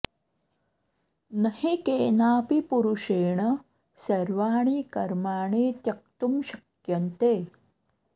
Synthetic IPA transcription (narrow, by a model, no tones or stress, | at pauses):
nɐhikeːnaːpipuɾuʂeːɳɐ | sɐɾʋaːɳ̃ikɐɾmaːɳiːt̪jɐk̚t̪umɕɐkjɐnt̪eː